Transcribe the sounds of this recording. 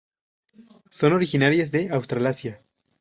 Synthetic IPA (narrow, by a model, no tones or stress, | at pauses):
so̞no̞ɾixinaɾjazðe̞awst̪ɾalasja